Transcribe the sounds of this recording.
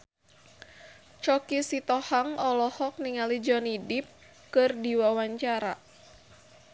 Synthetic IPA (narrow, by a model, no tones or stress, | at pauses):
t͡ʃɔkisit̪ɔhaŋɔlɔhɔk̚niŋalid͡ʒɔnidip̚ | kɨrdiwawaɲt͡ʃaɾa̰